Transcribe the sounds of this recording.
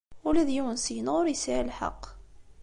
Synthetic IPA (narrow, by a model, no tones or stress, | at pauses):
ʊlæðjuwənsijənʁʊɾjəsiʕalħɑ̰qː